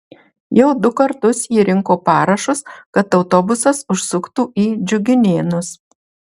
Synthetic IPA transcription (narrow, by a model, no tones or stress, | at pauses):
jɛʊd̪ʊkɐɾt̪ʊsiːɾʲɪŋkoːpɑːɾɐʃʊskɐt̪ɒʊt̪ɔbʊsɐsʊʃsʊkt̪uːʔiːd͡ʒʲʊɡʲɪnʲeːnʊs